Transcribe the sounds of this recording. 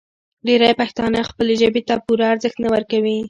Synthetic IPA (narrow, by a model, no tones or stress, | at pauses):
ɖeɾajpaxt̪ɑnaxpəleʒəbet̪apuɾaaɾzəxt̪nawəɾkawi